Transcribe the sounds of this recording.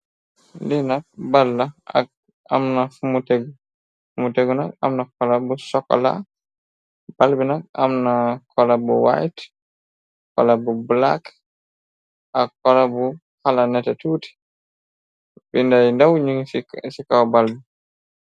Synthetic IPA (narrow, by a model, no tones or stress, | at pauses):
ndɛnak̚balːaa̰k | a̰mnafumuteɡɔ | fumuteɡɔnaka̰mnakɔlabusɔkːɔ̰la̰ | b̥albinaka̰mnakʰɔlabɔ̰wa̰jt | kɔ̰labɔbla̰k | ʔakːɔlabu | halanɛtɛtuːti̥ | bɛndajndawɲiŋsikawbalbi